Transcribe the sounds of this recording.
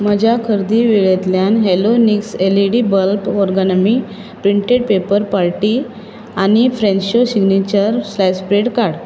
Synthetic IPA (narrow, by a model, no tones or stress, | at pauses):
məd͡ʑʱakʰəɾd̪iʋeɭet̪ljanɦelonikseliɽibəlpɔɾɡanəmi | pɾiɳʈeɽpepəɾpaɾʈi | añifɾẽnɕosiɡnit͡ɕəɾslajspɾeɽkaɽ